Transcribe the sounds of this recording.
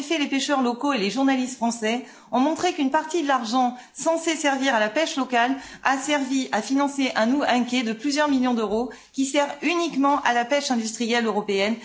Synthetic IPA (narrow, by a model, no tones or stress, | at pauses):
fɛlepeʃœʁlɔkoeleʒuʁnalist̪fχɑ̃sɛ | ɔ̃mɔ̃t̪χekynpaʁt̪id̪əlaʁʒɑ̃ | sɑ̃sesɛʁviʁalapɛʃlɔkalasɛʁviʔafinɑ̃seʔɛ̃nuɛ̃kʲɛd̪əplyzjœʁmiljɔ̃d̪øʁo | kʲisɛʁynikmɑ̃ʔalapɛʃɛ̃d̪yst̪χijɛløʁɔpeɛn